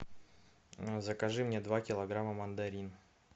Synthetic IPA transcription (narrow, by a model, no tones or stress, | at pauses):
zəkɐʐɨmnʲed̪vakʲɪlˠɐɡɾaməmɐnd̪ɐɾʲin